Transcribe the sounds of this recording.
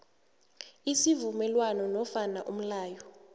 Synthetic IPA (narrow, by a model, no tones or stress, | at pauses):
isivumɛlwanɔnɔfanaʔum̩laːjɔ